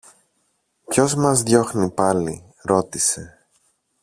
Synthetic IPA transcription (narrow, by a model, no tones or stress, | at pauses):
pço̞zmɐzðʝo̞xnipɐli | ɾo̞t̪ise̞